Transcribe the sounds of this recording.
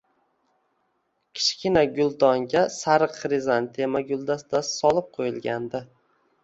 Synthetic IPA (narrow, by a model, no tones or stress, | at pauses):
kʲʰɪ̥ʃkʲɪnaɡʲʊlˠd̪ɒŋɡʲasaɾɨqɾɪzant̪ʰe̞maɡʲʊlˠd̪asd̪asɪ̥sɒlˠɪp̚qʰojɪlˠɡʲand̪ɪ